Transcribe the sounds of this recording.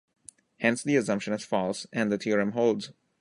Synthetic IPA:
hɛ̃nsd̪iɨsʌ̃mpʃə̃nɨz̥fɔlsæ̃nd̪ət̪ʰiəɾɨ̃mɦoʊldz̥

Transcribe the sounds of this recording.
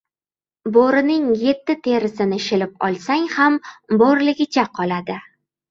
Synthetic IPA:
boɾɪnɪŋje̞t̪ːɪt̪ʰe̞ɾɪsɪnɪʃɪlɪp̚ɒ̰lˠsaŋhambɒɾlɪɡʲɪt͡ʃʰaqʰɒlad̪ɪ

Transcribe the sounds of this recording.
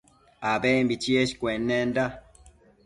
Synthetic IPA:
abembit͡ʃieʃi̥kwɛnːɛnda

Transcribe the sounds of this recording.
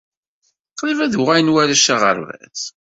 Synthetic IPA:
qlvæðʁæjnwæɾæʃaʁə̰ɾvæ̰θ

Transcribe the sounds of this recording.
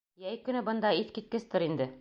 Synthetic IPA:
jæjkɵ̆nɘbɤ̆nd̪ɑiθkit̪̚kɘ̆st̪ɘɾind̪ɘ

